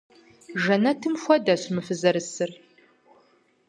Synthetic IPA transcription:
ʒɐnɐtʰɨmxʷɔdɐɕmɨfɨzɐɾɨsɨr

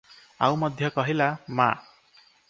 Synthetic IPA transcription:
a̰wmʌd̪ʱjʌkʌɦilama̰

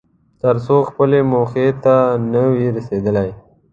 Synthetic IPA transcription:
t̪əɾsoxpəlemoxet̪anəwiɾased̪əlaj

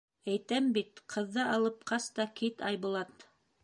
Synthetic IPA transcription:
æjt̪æmbit̪qʰɤ̆ðːɤɑlˠɤp̚qɑst̪ɑkit̪ɑjβulˠɑt̪

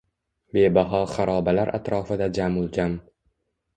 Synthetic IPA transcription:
be̞baɦɒχaɾɒbalaɾʔa̰t̪ɾɒfɪd̪ad͡ʒamʊlˠd͡ʒam

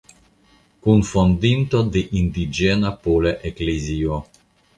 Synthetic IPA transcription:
kunfond̪int̪od̪eʔind̪id͡ʒenapoleʔeklezio

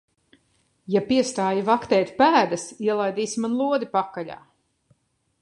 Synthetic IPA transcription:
japiɛst̪aːjivakt̪ɛːt̪ʲpæːd̪asiɛlˠajd̪iːsimanlˠuɔd̪ipakːaʎʲa̰ː

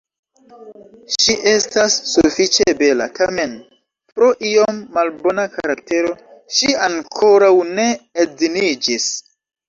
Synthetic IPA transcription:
ʃiʔe̞stasːufit͡ʃebe̞la̰tʰame̞n | pɾo̞ʔio̞mːalbo̞nakaɾak̚te̞ɾo̞ʃiaŋkʰo̞ɾawne̞ezinid͡ʒis

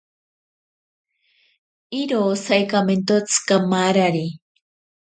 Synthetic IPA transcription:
iɾosajkament̪ot͡skamaɾaɾi

